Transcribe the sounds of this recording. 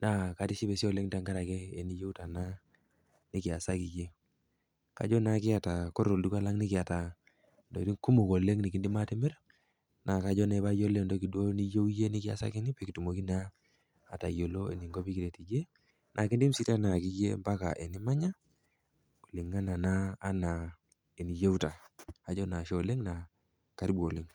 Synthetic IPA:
na˨ka˨ti˦ʃi˦bɛ˨si˦o˨le˦ŋta˨ŋɡa˦ɾa˨kɛ˦e˨ni˦jo˦u˦ta˨na˦ | ni˦ki˨a˨sa˦ki˨d͡ʒe˦ | ka̰˨˦d͡ʒɔ˦na˦kɪ˦a˨ta˨ko˦ɾo˨ldu˦ka˦la˦ŋnɪ˦kɪ˨a˨ta˨ | ndo̰˨ti˦ŋku˦mu˨ko˨le˦ŋni˨ki˦ndi˦ma˦ti˦mɛ˦ɾ | na˨ka˨˦d͡ʒɔ˦nɛ˨ba˦jo˦le˦ndo˦ki˨dwo˦ni˦jo˦wje˦ni˦kɪ˦a̰˨sa̰˦kɪ˦ni˦pɛ˦ki˨tu˨mo˨ki˦na̰ː˦˨ | ta˨jo˨lo˦ḛ˨ni˨ŋɡo˦pi˦ki˨ɾe˨ti˨d͡ʒe˦ | nʔa˨ki˦ndi˦m̩si˦ta˦na˨ki˦d͡ʒḛ˦mba˦ka̰˨ʔe˨ni˦ma˦ɲa˦ | ko̥˨li˨ŋːa˦na˨naː˦na˨ | e˨ni˨je˦u˦ta˨a˨d͡ʒɔ˦na˨ʃo˨le˦ŋna˨ | ka˨ɾi˦bo˨le˦ŋ

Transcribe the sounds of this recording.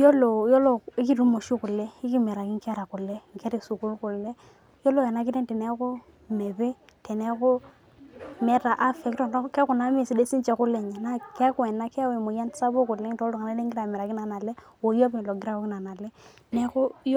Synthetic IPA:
jɔ˦lɔ˨jɔ˦lɔ˦˨i˦ki˦ɾu˦mo˨ʃi˦kʊ˨lːɛ˦i˦ki˦mɛ˨ɾa˨ki˦ŋka˦ɾa˨kʊ˨lːɛ˦ŋke˦ɾi˨su˨ku˦lkʊ˨lːɛ˦ | jɔ˦lɔ˦ja˨na˨˦k̬i˦tɛ˦ntɛ˨nɛ˦kʊ˦ | me˨pɛ˦tɛ˨nɛ˦kʊ˦ | mɛ˦ta˨ʔa˦fɛ˨ktɔ˨ntɔ˦kɛ˦kʊ˨na˨˦m˦e˦˨si˨de˦si˦t͡ʃɛ˨˦kʊ˦lːɛ˦ɲa˨na˦ke˦kɛ˨nːa˦kɛ˦we˨mu˨ja˦n˦sa˦bo˦ku˨lːɛ˦ŋ˦tɔ˦dɔ˨ka˨na˦e˦ŋɡi˦ɾa˨mɛ˨ɾa˨ki˦na˨na˨lɛ˦ | o˨jo˦pi˦˨lo˨ɡi˦ɾa˦ko˦kɪ˦na˨na˨lɛ˦ | nɛ˦kʊ˦j

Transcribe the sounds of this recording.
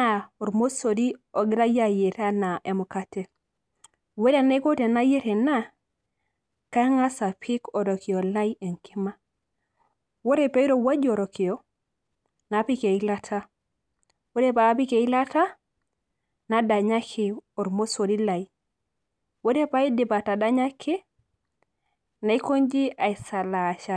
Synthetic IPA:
a˦o˨ɾmo˦so˨di˦o˨ɡi˦ɾa˦ja˦˨je˨ta˦na˨ʔe˨mu˨ka˦te˨ | we˦ɾe˨ne˦ko˦te˨na˦je˦ɾe˨na˦ | ka˦ŋa˦sa˨pʰi˦ko˨ɾo˨ki˨o˨la˦je˨ŋkʰi˦ma˦ | wo˦ɾe˦˨pe˦i˦ɾo˨wa˦d͡ʒo˨ɾo˨ki˨o˨˦ | na˨˦pi˦ke˨i˦la˦tʰa˦ | wo˦ɾe˦paː˨˦pi˦ke˨i˦la˦ta˦ | na˨da˨ɲa˦kʰi˦˨o˨ɾmo˦so˨di˦la˨i˦ | wo˦ɾe˦pa˨˦i˦di˨ba˨ta˨da˦ɲa˦kʰi˦ | na˨i˦ko˦nd͡ʒi˦a˨i˨sa˨la˨ʃa˦˨

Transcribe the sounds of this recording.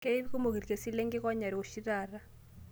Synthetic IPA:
ke˦i˦βi˦ku˦mo˨ki˨ɾke˨si˦le˦ŋɡe˦kɔ˦ɲa˨ɾi˨o˨ʃi˦ɾa˨ra˦

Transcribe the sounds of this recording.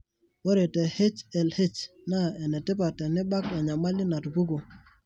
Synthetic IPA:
wo˦ɾe˨te˨he˦t͡ʃɛ˨lhe˦t͡ʃ | na˦˨ɛ˨nɛ˨tɛ˦p̬a˨tɛ˨ni˦ɓa˦ka˨ɲa˨ma˦li˦na˨tbu˦ɡo˨

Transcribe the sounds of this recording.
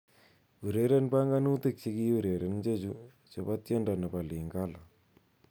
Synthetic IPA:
u˨ɾe˦ɾe˦npa˦ŋɡa˦nu˦t̪ɨ˦k̚t͡ʃi˦ki˦u˦˨ɾe˨ɾe˨nd͡ʒe˦t͡ʃu˦ | t͡ʃo˨ba˦t̪e˦nda˨nɐ˨pa˨li˨ŋɡa˦la˨

